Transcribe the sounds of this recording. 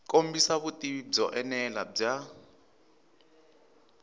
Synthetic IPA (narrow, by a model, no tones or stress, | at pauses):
kʼombisaβutizɔʔɛnɛlab͡ʐa